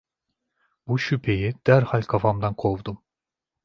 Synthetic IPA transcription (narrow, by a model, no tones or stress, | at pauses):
buʃypʰe̞jid̪̥æɾhalʲkʰafamd̪ankʰovd̪um